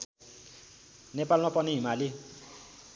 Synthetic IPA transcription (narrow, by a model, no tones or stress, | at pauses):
nepalmapʌniɦimali